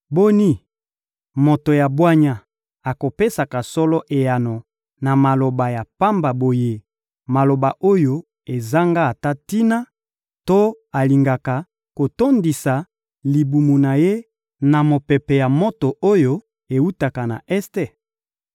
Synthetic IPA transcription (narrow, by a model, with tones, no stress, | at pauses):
bo˦ni˦ | mo˨to˨ja˨bwa˦ɲa˨ | a˨ko˨pe˦sa˨ka˨sɔ˦lɔ˦ʔe˨ja˨no˨ | na˨ma˨lo˨ba˨ja˨pa˦mba˨bo˨je˦ | ma˨lo˨ba˨ʔo˦jo˦ | e˨za˦ŋɡa˦a˨ta˦ti˦na˦ | to˦ | a˨li˨ŋɡa˨ka˨ | ko˨to˦ndi˨sa˨ | li˨bu˨mu˨na˨je˦ | na˨mo˨pɛ˨pɛ˨ja˨mo˦to˨ʔo˦jo˦ | e˨u˦ta˨ka˨na̰˨ʔɛ˦ste˦